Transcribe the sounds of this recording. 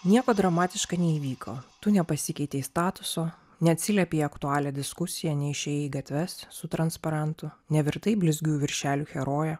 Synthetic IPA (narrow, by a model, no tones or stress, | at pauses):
nʲiɛkoːd̪ɾɐmɑːt̪ʲɪʃkɐnʲɛiːʋʲiːkʰo̰ːt̪ʊnʲɛpɐsʲɪkʲɛɪt̪ʲɛɪst̪ɑːt̪ʊsoː | nʲɛɐt̪ʲsʲɪlʲɛpʲeɪɐkt̪ʊɑːlʲɛːd̪ʲɪskʊsʲɪjɛnʲɛɪʃʲɛːjɛɪɡɐt̪ʲʋʲɛssʊt̪ɾɐnspɐɾɐnt̪ʊnʲɛʋʲɪɾt̪ɐɪbʲlʲɪzʲɡʲujʋʲɪɾʲʃʲæːlʲuːxʲɛɾoːjɛ